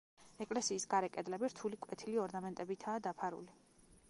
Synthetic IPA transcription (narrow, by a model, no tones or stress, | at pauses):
ɛkʼlɛsiːsɡaɾɛkʼɛd̪lɛbiɾt̪ʰulikʼwɛt̪ʰiliɔɾnamɛnt̪ʼɛbit̪ʰaːd̪apʰaɾṵli